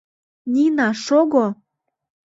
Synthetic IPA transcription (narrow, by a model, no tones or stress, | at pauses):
nʲinɑʃoɣo